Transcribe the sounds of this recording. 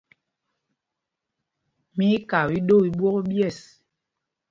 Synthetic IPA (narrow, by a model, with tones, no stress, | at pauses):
mi˨˦ka˨wi˦ɗo˦˨i˨bwɔ˦kbjɛ˦˨s